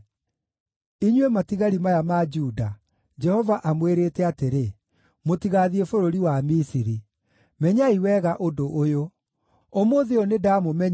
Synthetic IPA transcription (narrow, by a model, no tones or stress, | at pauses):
iɲwematiɣaɾimajamad͡ʒuːda | d͡ʒɛhɔvaʔamweɾeːtɛateɾe | motiɣaðiefoɾoɾiwamisiɾi | mɛɲaiwɛɣaʔodoʔːjo | omoðeɔnedamomɛɲ